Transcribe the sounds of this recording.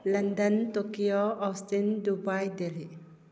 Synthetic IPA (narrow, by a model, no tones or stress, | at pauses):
lɐndɐntokijoɔstindubajdeli